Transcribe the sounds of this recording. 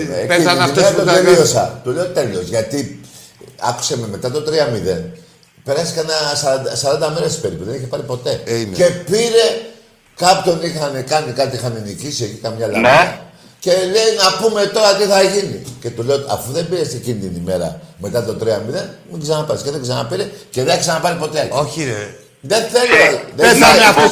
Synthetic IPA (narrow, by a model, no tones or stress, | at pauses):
neiiimeɾt̪oeliosɐ̰t̪ule̞ot̪e̞lo̞zʝɐt̪i | ɐ̰ku̥sememe̞t̪ɐt̪ot̪ɾiɐmiðe̞̰n | pe̞ɾɐsi̥kɐnɐsɐɾɐd̪ɐsɐɾɐnd̪ɐmeɾesi̥peɾipuðeniçepɐɾipo̞t̪e̞ce̞piɾe̞ | kɐpço̞nixɐnekɐnikɐt̪iixɐnenicisiecikɐmɲɐlɐni | ce̞leinɐpume̞t̪o̞ɾɐt̪iθɐʝinḭce̞t̪ule̞ot̪iɐ̰fuðe̞mbiɾest̪iɟinit̪inime̞ɾɐ̰me̞t̪ɐt̪o̞t̪ɾiɐmiðe̞nmiɡsɐnɐpɐɾisceðeɡsɐnɐ̰piɾe̞ceðeneçksɐnɐpɐɾipo̞t̪eoçi | ðe̞nθeloðe